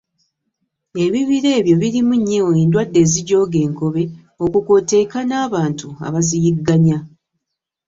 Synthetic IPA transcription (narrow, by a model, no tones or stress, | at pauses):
e̞βiβiɾe̞ːβjo̞βiɾimuɲːewoeːndwadːe̞ːziɟo̞ːɡe̞ːŋko̞βe̞ | o̞kuko̞te̞ːkanaːβaːntua̰βazijiɡːaɲa